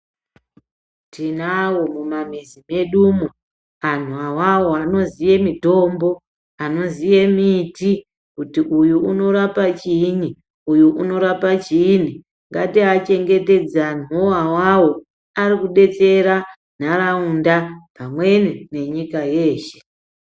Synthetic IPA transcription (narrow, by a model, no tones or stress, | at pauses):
tinawo̞mumam̤izime̞ɗumu | an̤uawawoano̞zije̞mito̞mbo̞ | ano̞zije̞miti | kutiʔujuuno̞ɾapat͡ʃini | ujuʔuno̞ɾapat͡ʃin̤i | ŋɡatiat͡ʃe̞ŋɡe̞te̞d͡zanoawawo̞ | aɾikuɗe̞t͡se̞ɾa | n̤aɾaundapamwe̞nine̞ɲikaje̞ːʃe̞̥